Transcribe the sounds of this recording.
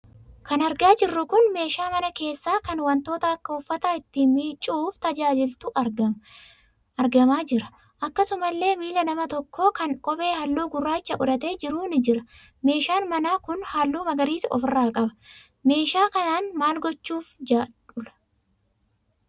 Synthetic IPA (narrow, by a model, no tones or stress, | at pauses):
kɐnɐɾɡaːd͡ʒɪrːʊkʊnme̞ːʃaːmɐnɐke̞ːsːaːkɐnwɐnt̪o̞ːt̪ɐɐkːɐʊfːɐt̪aːɪt̪ːiːmiːt͡ʃʼːuːft̪ɐd͡ʒaːd͡ʒɪlt̪ʊɡ | ɐɾɡɐmaːd͡ʒɪɾɐ̥ | ʔɐkːɐsʊmɐlːe̞ːmiːlɐnɐmɐt̪ɔkʰːo̞ːkɐnkʼɔbe̞ːɦɐlːuːɡʊrːaːɪt͡ʃːɐʔʊᶑ̪ɐt̪e̞ːd͡ʒɪɾuːnɪd͡ʒɪɾɐ | me̞ːʃaːnmɐnaːkʊnhalːuːmɐɡɐɾiːsɔ̰fɪrːaːkʼɐbɐ̥ | me̞ːʃaːkɐnaːnmaːlɡɔt͡ʃːuːfd͡ʒaːᶑʊlɐ̥